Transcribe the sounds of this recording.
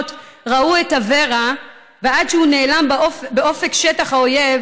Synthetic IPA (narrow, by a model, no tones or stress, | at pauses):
tʁauetave̞ʁa | veadʃehune̞ːlambeo̞fe̞kʃetaχhaojev